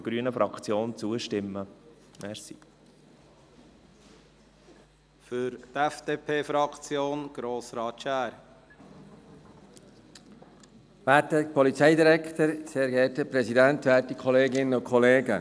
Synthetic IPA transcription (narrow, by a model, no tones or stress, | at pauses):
ɡ̥ɾyənəfɾʔɑkt͡sjoːnt͡suəʃtɪmːə | mɛɾsi | fʏɾt̪ɛfd̥̪eːpʰeːfɾɑkt͡sjoːnɡ̥ɾoːsɾɑːtʃæːɾ | ʋæːtəpʰɔlit͡sɛɪd̪iɾɛkʰt̪əɾseːɾɡɛːtəpɾɛsidæntʋæːtikʰɔleːɡɪnəʊkχɔleːɡə